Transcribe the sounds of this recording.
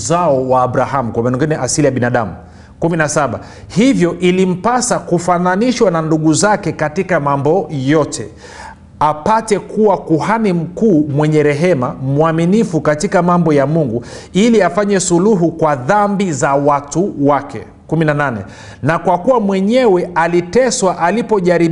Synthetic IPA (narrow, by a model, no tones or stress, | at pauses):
zaɔwaːɓɾaɦamukwamanɔŋɡinɛʔasilijaɓinaɗa̰mu | kuminasaɓa̰ | hivjɔʔilim̩pasakufananiʃwananduɠuzakɛkatikamambɔjɔtʰɛ̰ | apatɛkuwakuhanim̩kuːmwɛɲɛɾɛɦɛmamuaminifukatikamambɔjamuŋɡuiliafaɲɛsuluɦukwaðambizawatuwakɛ̰ | kuminananɛ̰ | nakwakuwamwɛɲɛwɛalitɛswaʔalipɔʄaɾi